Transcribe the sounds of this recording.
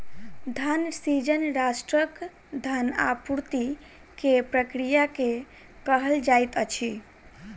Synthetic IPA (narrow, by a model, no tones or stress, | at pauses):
d̪ʱansid͡ʒənɾasʈɾək | d̪ʱana̰puɾt̪i | kepɾəkɾijake | kəɦəld͡ʒajt̪ət͡ʃʰi